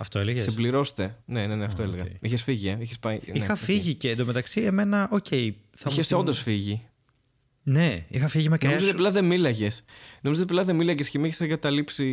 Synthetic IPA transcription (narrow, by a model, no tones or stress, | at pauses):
ɐft̪oeleɣssibliɾo̞st̪e̞ne̞ne̞neɐft̪oeleɣɐiçesfiʝieiçespɐiniexɐffiʝiceːnd̪omet̪ɐksieme̞nɐʔoce̞i | θɐiçeseo̞nd̪o̞sfiʝi | neixɐfiʝimɐknɾomzot̪eplɐðe̞milɐʝe̞snomizot̪iplɐðe̞milɐʝescemiiçeseŋɡɐt̪ɐlipsi